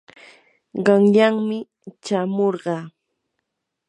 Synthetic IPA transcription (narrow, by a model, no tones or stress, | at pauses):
ɢɑŋʎaŋmɪ | t͡ʃamoɾɢɑː